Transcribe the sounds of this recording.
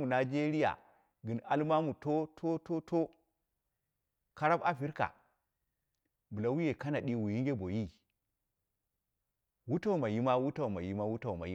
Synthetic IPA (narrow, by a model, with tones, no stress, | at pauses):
u˨na˨d͡ʒe˦ɾi˦ja̰˨ | ɡɨ˨na˦lma˦mu˨to˦tʰo˦to˦to˦ | ka˦ɾa˦ba˦˨fi˦ɾka̰˨ | bu˨la˦wu˦je˨ka˦na˨ɗi˦wu˨ji˦ŋɡʲe˦bo˨ji˦ | wu˦ta˦u˨ma˨ji˦ma˦wu˦ta˦˨wma˨ji˦ma˦wu˦ta˨ma̰˨ji˦